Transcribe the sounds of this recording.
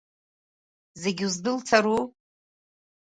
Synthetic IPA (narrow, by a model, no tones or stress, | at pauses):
zeɡʲuzdɨlt͡sʰaɾu